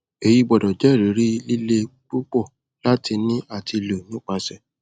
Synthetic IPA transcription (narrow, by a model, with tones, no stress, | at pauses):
e˨ji˧ɡ͡bɔ˨dɔ˨d͡ʒɛ˦˨ɾi˨˦ɾi˦li˦le˦k͡pu˦k͡pɔ˦˨ | la˦ti˧nĩ˦a˦˨tʰi˧lo˨nũ˦k͡pa˧sɛ˦˨